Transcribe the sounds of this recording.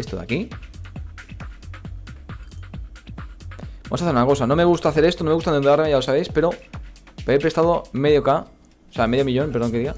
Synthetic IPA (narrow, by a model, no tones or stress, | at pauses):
est̪oða̰ki | bamosaθeunako̞sano̞me̞ɣust̪aθe̞ɾe̞st̪onome̞ɣust̪aðeuðaɾmeʝalo̞saβe̞jspe̞ɾo̞ | pepɾe̞st̪aðome̞ðjoka | oseameðjomiʎo̞npeɾðo̞ŋkeiɣa